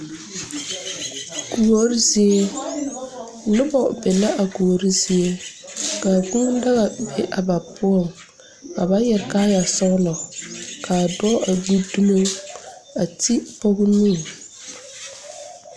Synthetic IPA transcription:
ɡ̥u˨o˦ɾi˦zi˦e˦ | nʊ˦bɔ˨bɛ˨la˦ʔa˨ɡu˨o˨ɾi˦zi˦e˦ | ka˨ɡ͡bu˦n˦da˦ɣa˨be˦ʔa˨ba˨pʊ˦ɔ˦˨ŋ | ka˨ba˦jɛ˨ɾka˦ja˨sɔ˦ɣlɔ˨ka˨dɔ˦ʔa˨ɡ͡bu˦du˦mo˦ŋ | a˨ti˦pɔ˦ɣnũ˦˨ŋ

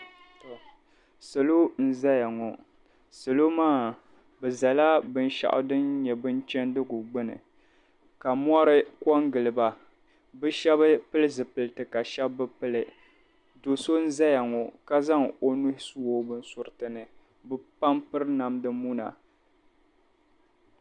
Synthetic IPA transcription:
to˨ | sɨ˨lo˦n̩˦za˦ja˨ŋɔ˨ | sɨ˨lo˦maː˦˨ | bɨ˨za˨la˦bɨ˦n˦ʃa̰˨ʔʊ̰˨˦dɨ˦nɲɛ˨bɨ˦nt͡ʃɛ˦ndɨ˦ɡʊ˨ɡ͡bɨ˦nɨ̰˨ | ka˨m˦ɔ˦ɾɨ˦kɔ˦ŋɡɨ˨lɨ˨ba˨ | bɨ˦ʃɛ˦bɨ˦pɨ˦lɨ˦zɨ˨pɨ˨lɨ˨tɨ˨ka˨ʃɛ˦bːɨ˦pɨ˦lɨ˨ | do˨so˦n̩˦za˦ja˨ŋɔ˨ka˦za˦ŋo˦nu˦hsu˦wo˨bɨ˦n̩˦sʊ˨ɾɨ˨tɨ˨nɨ˨ | bɨ˦pa˦mpɨ˦ɾna˨mdɨ˦mu˦na̰˨

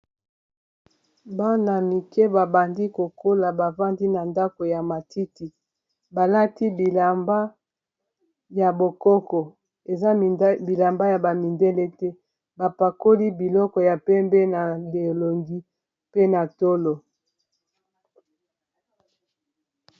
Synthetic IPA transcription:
ba˦na˨mi˨kɛ˦ba˨ba˨ndi˦ko˨kʰo˦la˨ba˨va˦ndi˦na˨nda˦ko˨ja˨ma˨tʰi˦ti˨ | ba˨la˦ti˦bi˨la˨mba˦ | ja˨bo˨kɔ˦kɔ˨ | e˨za˦bi˨la˨mba˦ja˨ba˨mi˨ndɛ˦lɛ˦tɛ˦ | ba˨pa˨ko˦li˦bi˨lɔ˦kɔ˨ja˨pɛ˦mbɛ˦na˨le˨lo˨ŋɡi˦ | pe˦na˨to˦lo˨

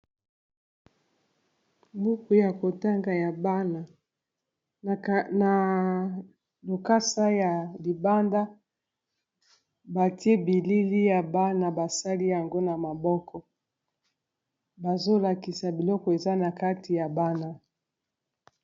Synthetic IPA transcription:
bu˦ku˨ja˨ko˨ta˦ŋɡa˨ja˨ba˦na˨ | na˨ | lo˨ka˦sa˦ja˨li˨ba˦nda˦ | ba˨ti˦e˦bi˨li˦li˦ja˨ba˦na˨ba˨sa˦li˦ja˨ŋɡo˦na˨ma˨bɔ˦kʰɔ˨ | ba˨zo˦la˨ki˨sa˨bi˨lɔ˦kɔ˨e˨za˦na˨ka˦ti˨ja˨ba˦na˨

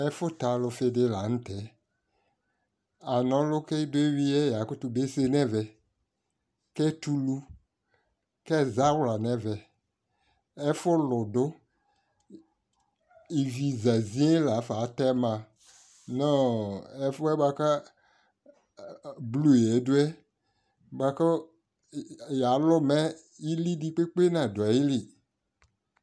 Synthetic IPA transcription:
ɛ˦fʊ˦ta˨lʊ˧fɪ˧dɪ˦la˨˦n̩˦tɛ˨˦ | a˨nɔ̃˨˦lʊ˦kɛ˦i˦dʊ˦e˦wi˦ɛ˦ja˨˦kʊ˦tʊ˧be˦se˦nɛ̃˦vɛ˨ | kɛ˦tu˦lu˦ | kɛ˦˨za˦wla˨nɛ̃˦vɛ˨ | ɛ˦fʊ˦lʊ˨dʊ˦ | i˨vi˨za˨zĩ˦e˦la˨˦fa˨˦t̪ɛ˦mã˨ | nɔ˦ɛ˦fɛ˦ba˦ka˦ | blu˦˨e˨˦do˦ɛ˦ | ba˨kɔ˦ | ja˨˦lɔ˦mɛ̃˦ | i˦li˦di˦˨k͡pe˦k͡pe˦nã˨do˨a˨ji˦li˨

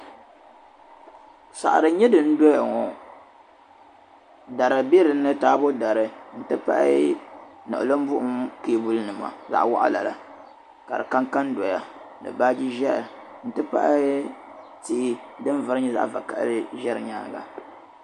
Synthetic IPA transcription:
sa̰˨ʔa˨ɾɨ˨ɲɛ˦dɨ˨n̩˦do˦ja˨ŋɔ˨ | da˨ɾɨ˨bi˦ɾɨ˨˦nɨ˦taː˦bo˦da˨ɾɨ˨n̩˦tɨ˦pa̰˦ʔɪ̰˦ | nɨ̰˨ʔɨ̰˨lo˦m˦bʊ˦ʔʊ˦mkeː˦˨bu˦lnɨ˨ma̰˨za̰˨ʔwa̰˦ʔa̰˦la̰˨la˨ | ka˨ɾɨ˨ka˦ŋka˦ndo˨ja̰˨nɨ̰˨baː˦d͡ʒi˦ʒɛ˦ɾɨ˨n̩˦tɨ˦pa̰˦ʔ | ti˦dɨ˦nvɨ˨ɾɨ˦ɲɛ˦za̰˦ʔva˨ka˦˨ʔɾɨ˦ʒɛ˦ɾɨ̰˨ɲa˦˨ɡa̰˨

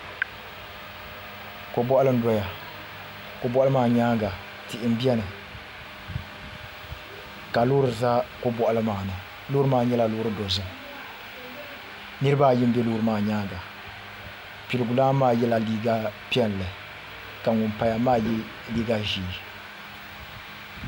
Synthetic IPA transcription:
ko˨bɔ˦ʔlɨ˦n˦dɔ˦ja˨ | ko˨bɔ˦ʔa˦lɨ˦maː˦˨ɲaː˦ɡa˨ | ti˨ʔɪ˦m˦bi˦ɛ˦nɨ˨ | ka˨lʊː˦ɾɨ˨za˦ko˦bɔ˦˨ʔa˦lɨ˦maː˨nɨ˨ | loː˦ɾɨ˦maː˦ɲɛ˦la˨loː˦ɾɨ˦do˨zʊ˦ŋ˨ | nɨ˦ɾɨ˦ba˦˨jɪ˦m˦bɛ˦loː˦ɾɨ˦maː˨ɲaː˦ɡa˨ | pi˨lɨ˨ɡʊ˨laː˦maː˦jɛ˦la˨liː˦ɡa˦pɛ˦n˨lɨ˨ | ka˨ŋʊ˨mpa˨ja˨maː˦ji˦ | liː˦ɡa˦ʒiː˨

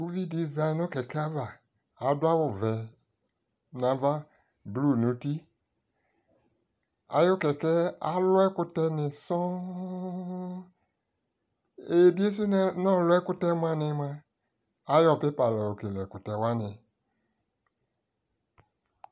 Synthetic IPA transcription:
u˦vi˦di˨za˧ɪ˨˦nʊ˦kɛ˨kɛ˦a˦vaː˨˦ | dʊ˦a˦wʊ˨vɛ˨ | nã˨˦va˦ | blu˦˨nu˨˦ti˦ | a̰˦jo˦kɛ˨kɛ˦a˦lʊ˦ɛ˦kʊ˦tɛ˦nɪ̃˨sɔ̃˦ | e˨bi˦e˦s̬u˦n˨nɔ̃˦lʊ˦ɛ˦kʊ˦tɛ˦m˦ã˦nɪ˧˦mã˦ | a˦jɔ˦˨pɪ˦pa˨lɛ˨o˨ke˨lɛ˨kʊ˨tɛ˨wa˦nɪ̃˨

